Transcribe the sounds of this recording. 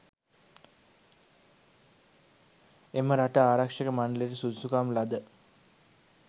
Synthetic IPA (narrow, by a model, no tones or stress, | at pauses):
eməɾaʈaaːɾakʂəkəmanəleɾisud̪sukaːmlad̪ə